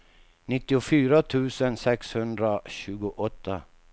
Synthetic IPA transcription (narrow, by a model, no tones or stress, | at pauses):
nɪt̪ːɪʊfyːɾat̪ʰʉ̟ːsənsɛkshɵnd̪ɾaɕʉ̟ːɡʊʔɔt̪ʰːa